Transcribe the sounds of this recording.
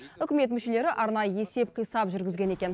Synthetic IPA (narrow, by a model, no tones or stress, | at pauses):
ʏkʲɪme̞t̪̬mʏʃe̞le̞ɾɪʔɑɾnɑjəe̞se̞p̚qʰijsɑpʒʏɾɡʲɪzɡʲe̞ne̞kʲe̞n